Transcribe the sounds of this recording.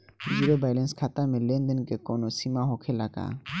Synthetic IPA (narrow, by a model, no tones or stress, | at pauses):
d͡ʒiɾobajlenskʰat̪amelend̪enkekonosimaɦokʰelaka̰